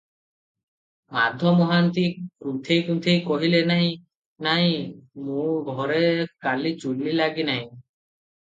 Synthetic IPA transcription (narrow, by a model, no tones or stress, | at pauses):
mad̪ʱɔmɔɦant̪iɾut̪ʰejkɾut̪ʰejkɔɦilenaɦj̃ | naɦj̃mũɡʱɔɾekalit͡ʃulːilaɡinaɦj̃